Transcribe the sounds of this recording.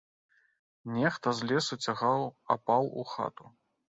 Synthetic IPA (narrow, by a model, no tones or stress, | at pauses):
nʲɛxt̪ɐzʲlʲɛsut͡sʲaɣawɐ̰pawṵxa̰t̪u